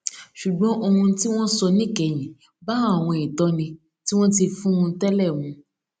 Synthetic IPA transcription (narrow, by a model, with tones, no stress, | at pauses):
ʃu˨ɡ͡bɔ̃˨˦ʔo˧hũ˧ti˦w̃ɔ̃˦sɔ˧nĩ˦˨kɛ˨j̃ĩ˨ | ba˦a˦˨w̃ɔ̃˧ĩ˨tɔ˨˦nĩ˧ | ti˦w̃ɔ̃˦ti˧fũ˦ũ˧tɛ˦lɛ˦˨wũ˧